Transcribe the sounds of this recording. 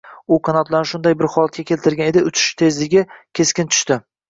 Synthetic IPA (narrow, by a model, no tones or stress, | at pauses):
ʊqʰɑnɒt̪laɾʃʊnd̪ajbɪɾχɒlˠat̪̚kʲakʲʰelt̪ʰɪɾɡʲane̞d̪ɪʊt͡ʃʰɪ̥ʃt̪ʰe̞zlɪɡʲɪkʲʰe̞skʲɪnt̪ʰʊ̥ʃt̪ɪ